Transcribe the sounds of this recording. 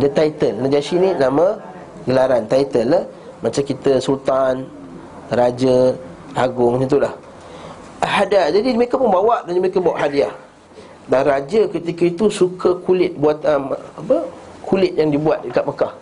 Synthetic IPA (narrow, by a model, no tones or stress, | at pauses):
dət̪ait̪əlnad͡ʒasinĩnamə̃ | ɡəlaɾant̪ait̪əlːa | mat͡ʃamkit̪əsult̪an | rad͡ʒə | aɡʊŋmanat̪ulah | ahadad͡ʒadiməekapʊnbawaʔdaləmekəbawaʔɦadiah | danrad͡ʒəkət̪ikəit̪usukʰəkulɪt̪̚buat̪̚əmapə | kʰulɪt̪̚jaŋdibuat̪̚dəkat̪̚məkah